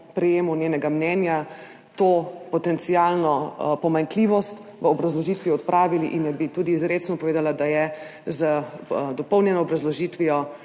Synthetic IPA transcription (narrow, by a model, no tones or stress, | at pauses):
pɾɛjeːmunʲjeːnɛɡamnɛnja | t̪opɔt̪ɛnt̪sijalnɔpɔmaŋkliʋɔst̪ | ʋəɔbɾazlɔʒit̪ʋiɔt̪pɾʔaːʋiliʔinnɛbit̪uːd̪iːzɾet͡ʃnɔpɔʋeːd̪alad̪ajɛ | zəd̪ɔpɔwnjɛnɔːbɾazlɔʒiːt̪ʋijɔ